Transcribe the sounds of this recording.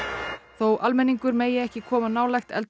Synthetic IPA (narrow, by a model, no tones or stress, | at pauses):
θowʔalmɛniŋkʏɾmeːjɪɛhcɪkʰɔːmanaːwlajxt̪ɛ̰lt̪